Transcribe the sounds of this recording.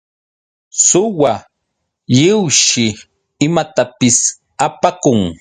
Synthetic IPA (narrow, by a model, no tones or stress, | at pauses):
sʊwa | ʎɪwʃɪ | ɪmat̪apɪs | apakʊŋ